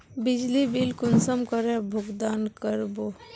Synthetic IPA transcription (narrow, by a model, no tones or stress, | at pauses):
bɪd͡ʒlibilkʊnsəmkəɾebʱʊɡd̪aːnkəɾbo